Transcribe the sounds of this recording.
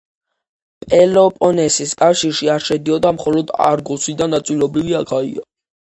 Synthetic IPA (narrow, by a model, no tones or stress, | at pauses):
pʼɛlɔpʼɔnɛsiskʼafʃiɾʃiaɾʃɛd̪iɔd̪amχɔlɔd̪a̰ɾɡusid̪anat̪sʼwilɔbɾiviakʰaḭa